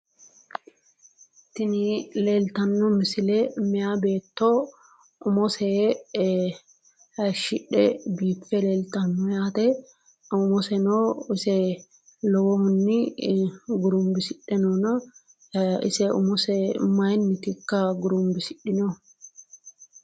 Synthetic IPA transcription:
t̪ɪnileːlt̪ɐnːɔmɪsɪlɛmɛjabe̞ːt̪ːo | ʊmɔse | ɐʃɪᶑːɛbiːpːɛleːlt̪ɐnːɔjaːt̪ɛ | ʊmɔsɛnoɪsɛ | lɔwɔhʊnːɪ | ɡʊɾʊmbɪsɪɗːɛnɔnɐ | ɪ̰sɛʊ̰mɔsɛmɐjnːɪt̪ɪkːɐɡʊɾʊmbɪsɪɗɪnɔ

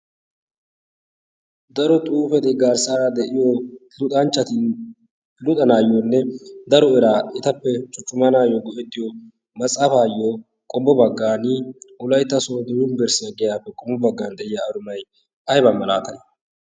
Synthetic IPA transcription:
d̪ɐɾɔt̪ʼuːfɛt̪ɪɡaːɾsaːɾad̪ɛʔɪjolʊt̪ʼɐnt͡ʃːɐt̪ɪn | pɪlʊt̪ʼɐnaːjonːɛd̪ɐɾɔɛɾaːɪt̪ɐpːɛt͡ʃʼʊt͡ʃʼːʊmɐnaːjɔɡɔʔɛt̪ʼːɪjɔ | mɐt͡sʼːɐfaːjːo | kʼɔbːɔbɐɡːaːnɪʊlɐjt̪ːɐsoːd̪ʊjʊnbɛɾsɪɐɡɛjaːpːɛkʼɔmɔbɐɡːaːnd̪ɛʔɪjaːd̪ʊmɐj | ʔɐjbɐmːɐla̰ːt̪ɐn

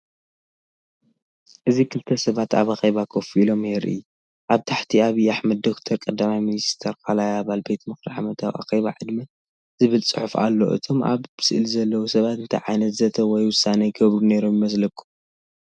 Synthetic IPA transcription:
ʔɨzikʰɨlt̪ʰɐsɐβat̪a̰βaxeβakʰofuilo̞mjɛɾʔɨɨ̰jːu | ʔaβt̪ʰaħt̪ʰiaβiaħmɐd̪ːo̞kt̪ʰɐɾkʼɐd̪ːamajminist̪ʰɐɾkʰalajaβalbe̞t̪mɨxɾaʕamɐt̪ʰawʔa̰xeβaʕɨd̪mi | zɨβɨlt͡sʼɨħufa̰lːo̞̰ʔɨ̰t̪ʰo̞ma̰βbɨsɨʔɨlizɐlːɐwusɐβat̪ɨnt̪ʰɐ̰jʕajnɐt̪zɐt̪ʰɐwɔjwʊsanɐjɡɐβɾune̞ɾomjimɐslɐkʰʼːum

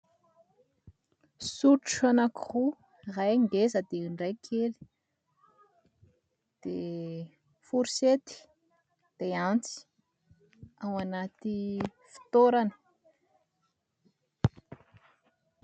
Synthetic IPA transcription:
suʈ͡ʂanakiχu | rajɳdezəd̪eiɳɖ͡ʐajkʰeli̥ | d̪̥e | fuɾi̥set̪i̥ | d̪̥eant͡si̥ | awanat̪i | fi̥t̪oɾanə̥

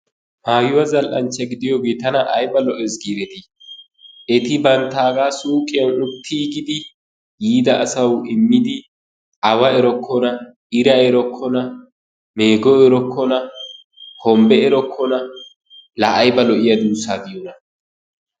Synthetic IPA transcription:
maːjʊwɐzɐlʔɐnt͡ʃːɐɡɪd̪ɪjɔɡeːt̪ɐnɐʔɐjbɐlɔʔɛsɡiːɾɛt̪ɪ | ɛt̪ɪbɐnt̪aːɡaːsuːkʼɪjɐnʊt̪ʰːiːɡɪd̪ɪ | jiːd̪ɐʔːsɐwɪmːɪd̪ɪ | ʔɐwɐɛɾɔkʰːɔnɐ | ɪɾɐɛɾɔkʰːɔnɐ | me̞ːɡɔɛɾɔkʰːɔnɐ | hɔmbɛɛɾɔkʰːɔnɐ | lɐʔːjbɐlɔʔɪjɐd̪uːsaːd̪ɪjɔnɐ

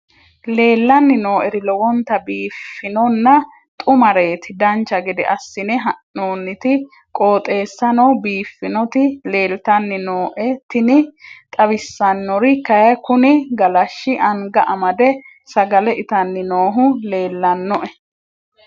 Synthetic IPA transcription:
le̞ːlːɐnːɪno̞ːʔɛɾɪlɔwɔnt̪ɐbiːfːɪnɔnːɐ | t̪ʼʊmɐɾe̞ːt̪ɪd̪ɐnt͡ʃːɐɡɛd̪ɛ̰ʔɐsːɪnɛɦɐnːoːnːɪt̪ɪ | kʼo̞ːt̪ʼe̞ːsːɐnɔwbiːfːɪnɔt̪ɪle̞ːlt̪ɐnːɪnoːʔɛt̪ɪnɪt̪ʼɐbɪsːɐnːɔɾɪkɐjɐjkʊnɪɡɐlɐʃːɪʔɐŋɡɐʔɐmɐd̪ɛ | sɐɡɐlɛɪt̪ɐnːɪnoːɦʊle̞ːlːɐnːɔʔɛ

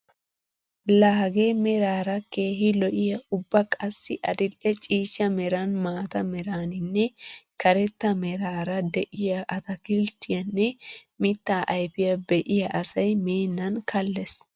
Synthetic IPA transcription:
laːɡemɛɾaːɾɐke̞ːɦɪlɔʔɪjɐʊbːɐkʼɐsːɪʔɐ̰d̪ɪlːɛt͡ʃʼiːʃːɐmɛɾɐnmaːt̪ɐmɛɾaːnɪnːɛkɐɾɛt̪ːɐmɛɾaːɾɐd̪ɛʔɪjɐʔɐt̪ɐkɪlt̪ːɪjɐnːɛmɪt̪ːaːʔɐjfɪjɐbɛʔɪjɐʔɐsɐjmeːnːɐnkʰɐlːɛs

